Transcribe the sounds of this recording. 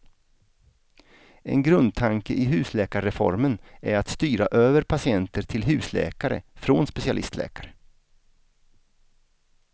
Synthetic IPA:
ɛ̰nɡɾɵnd̪̚t̪ʰaŋkəʔɪɦʉ̟ːslɛːkaɾɾɛfɔ̰ɾmənæɾat̪st̪yːɾaʔøːvəɾpʰasɪɛnt̪əʈʰɪlɦʉ̟ːslɛ̰ːkaɾə̰fɾoːnspɛsɪalɪ̰st̪ʰlɛ̰ːkaɾə

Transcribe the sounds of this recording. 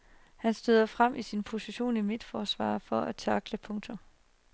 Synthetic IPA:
hænsd̥øðˠɐfʁam̰ʔisinpʰo̝siɕo̝̰ːnimed̥fɒːsʋɑ̰̈ːfɒ̽æt͡sʰɑɡ̥ləpʰɔ̽ŋt͡sʰom

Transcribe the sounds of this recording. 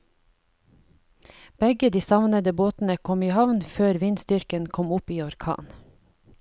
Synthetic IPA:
b̥ɛɡəd̪iːsɑʋnəd̪əboːt̪n̩əkʰɔmiːhɑʋnføːɾʋiːnst̪ʏɾkənkʰɔmʊpiːɔɾkʰɑ̰ːn

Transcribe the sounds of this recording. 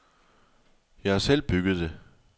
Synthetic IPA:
jɑ̈ɪhɑ̈sel̰b̥yɡ̥ð̩ˠd̥e̝

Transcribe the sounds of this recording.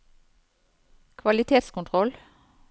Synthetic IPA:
kʰʋɑlɪt̪ʰeːt̪skʊnt̪ʰʁɔl

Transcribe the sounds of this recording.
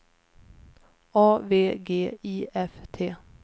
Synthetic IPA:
ɑːveːɡeːiːʔɛft̪ʰeː

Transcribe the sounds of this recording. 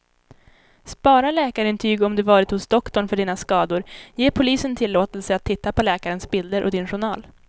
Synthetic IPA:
spɑːɾalɛːkaɾɪnt̪ʰyːɡɔmd̪ɵvɑːɾɪt̪hʊsd̪ɔkt̪ɔɳfœɖiːnaskɑːd̪ʊɾjeːpʰʊliːsənt̪ʰɪlːoːt̪ɛlsəat̪ʰːɪt̪ːapʰɔlɛːkaɾənsbɪld̪əɾʔɔ̰d̪ɪnɧʊɳɑːl

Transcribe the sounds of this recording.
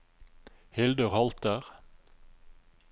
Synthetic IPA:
hɪld̪əʁhɑlt̪əʁ

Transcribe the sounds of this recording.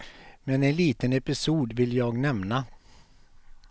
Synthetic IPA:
mɛnɛnliːt̪ənɛpɪsuːd̪vɪljɑːɡnɛmna

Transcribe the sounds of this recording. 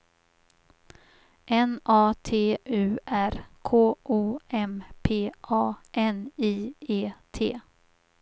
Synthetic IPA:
ʔɛnɑːt̪ʰeːʔʉ̟ːæɾkʰoːʔuːɛmpʰeːʔɑːʔɛniːeːt̪ʰeː

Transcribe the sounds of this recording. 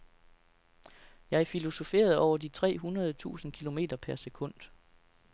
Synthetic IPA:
jɑ̈ɪæɐfilo̝so̝fe̝̰ːɐð̞ˠɒʊɐd̥it͡sʰʁɛ̰ːɦunɐð̞ˠət͡sʰṵːsn̩kʰilo̝me̝̰ːd̥ɐpʰæɐse̝kʰɔ̽n̰d̥

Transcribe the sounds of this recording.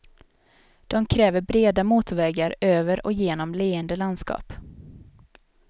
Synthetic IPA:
d̪̥ɔmkʰɾɛːvəɾbɾeːd̪amuːt̪ʊvɛːɡaɾøːvəɾɔ̰jeːnɔmleːənd̪əland̪skɑ̰ːp

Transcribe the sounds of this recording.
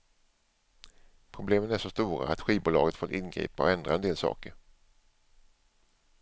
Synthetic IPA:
pʰɾʊbleːmənæʂɔst̪uːɾa̰at̪ɧiːbuːlɑːɡət̪fɔt̪ɪnɡɾḭːpaɔ̰ɛnd̪ɾaɛnd̪eːlsɑ̰ːkəɾ

